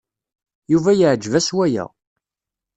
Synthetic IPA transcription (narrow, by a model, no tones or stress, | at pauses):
juvæjəʕd͡ʒːvæswæjæ̰